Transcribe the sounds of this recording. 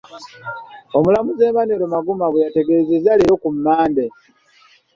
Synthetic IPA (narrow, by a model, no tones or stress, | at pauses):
omulamuzeːmaneɾomaɡumaɡwejate̞ɡe̞zezaleɾokumːaːnde